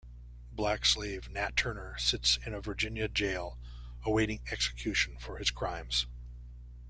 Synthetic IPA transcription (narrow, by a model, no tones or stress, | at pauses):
blækslivnætʰɜ˞nə˞sɪtsɨ̃nɨvə˞d͡ʒɪ̃njɨd͡ʒeɪlˠ | əweɪɾɪ̃ŋɛksɨ̥kʰj̥ʉʃn̩fə˞ɨz̥kʰɹ̥ãɪ̃mz̥